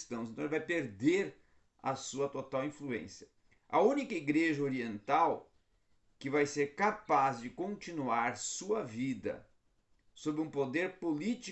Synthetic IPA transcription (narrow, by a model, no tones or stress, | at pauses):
st̪ɐ̃w̃sẽt̪ɐ̃lvajpeɾd̪eɾ | ɐ̰suɐt̪ot̪awĩfluḛ̃sjɐ | ɐũnikɐiɡɾeʒɐoɾiẽnt̪aw | kɪvajseɾkapazd͡ʒɪkõnt͡ʃinuaɾsuɐvid̪ɐ̰ | sobɪũpod̪eɾpolit͡ʃi